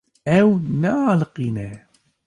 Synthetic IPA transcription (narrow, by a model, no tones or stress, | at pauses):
æwnæalqːinæ